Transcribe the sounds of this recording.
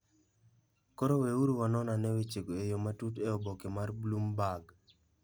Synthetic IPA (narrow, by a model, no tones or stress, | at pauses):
koɾoweuɾuwanɔnanɛwet͡ʃekoejomatuteobokemarblumbaɡ